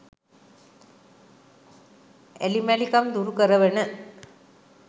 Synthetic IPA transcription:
ḛlimælikɐmd̪uɾukəɾəʋənə

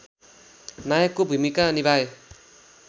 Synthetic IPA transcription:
najʌkːobʱumikanibʱaje

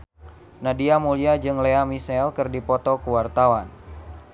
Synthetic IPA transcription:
nadiamuliad͡ʒɨŋleamisɛlkɨrdipɔt̪ɔkuwart̪awan

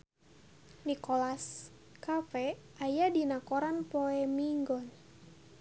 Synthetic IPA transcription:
nikɔlas | kafɛajadinakoɾanpɔɛmiŋɡɔn

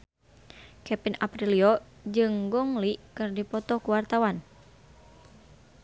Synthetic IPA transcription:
kɛpinapɾiliɔ | d͡ʒɨŋɡɔŋlikɨrdipɔt̪ɔkuwart̪awan

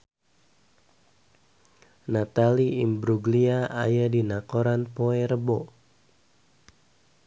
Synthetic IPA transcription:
nat̪aliimbɾuɡliaa̰jadinakoɾanpoɛɾəbo

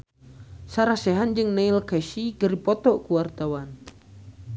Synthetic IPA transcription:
saɾasɛɦand͡ʒɨŋneilkɛʃiɡəɾipɔt̪ɔʔkuwart̪awan

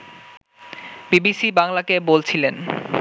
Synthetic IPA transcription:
bibisibaŋlakebolt͡ɕʰilen

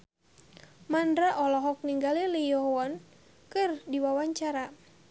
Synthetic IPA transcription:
mandɾaʔɔlɔɦɔk̚niŋɡalilijɔɦɔwan | kɨrdiwawaɲt͡ʃaɾa

